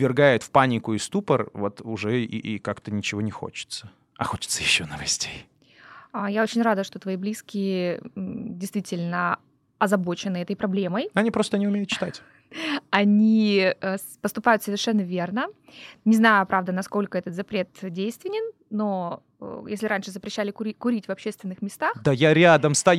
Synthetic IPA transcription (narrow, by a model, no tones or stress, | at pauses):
vʲɪrɡajʊt̪fpanʲɪkʊɪst̪upərvo̞t̪ʊʐɛ̰ikakt̪ənʲɪt͡ɕɪvo̞nʲɪxo̞̰t͡ɕɪ̥t̪sə | ɐ̰xo̞t͡ɕɪ̥t̪səjɪɕːonəvɐsʲtʲej | əjao̞t͡ɕɪnʲrad̪əʂt̪ot̪vɐiblʲiskʲɪjɪ | dʲɪjst̪vʲitʲɪlʲnə | ɐzɐbo̞t͡ɕɪnɨɛt̪əjpɾɐblʲe̞məjɐnʲipɾo̞st̪ənʲɪʊmʲejʊt̪̚t͡ɕɪ̥t̪atʲ | ɐnʲi | pəst̪ʊpajʊt̪səvʲɪrʂɛnːəvʲe̞rnə | nʲɪznajʊpɾʔavd̪ənɐsko̞lʲkəɛt̪ət̪zɐpɾʲe̞t̪dʲejst̪vʲɪnʲɪnːo̞̰ | jesʲlʲɪɾanʲʂɨzəpɾʲɪɕːælʲɪkʊikʊɾʲitʲvɐpɕːe̞st̪vʲɪnːɨxmʲɪst̪axd̪ajaɾʲad̪əmst̪ɐj